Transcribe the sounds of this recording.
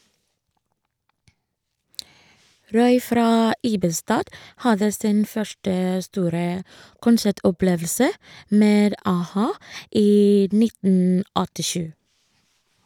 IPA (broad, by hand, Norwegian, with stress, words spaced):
ˈɾɔʏ ˈfɾɑː ˈiːbəstɑːd ˈhɑðə ˈsiːn ˈfœʃʈə ˈstuːɾə kʊnˈsæʈɔˌpleːʋl̩sə ˈmeːd ɑˈhɑː ˈiː ˈnɪtn̩ ɔtɪˈʃʉː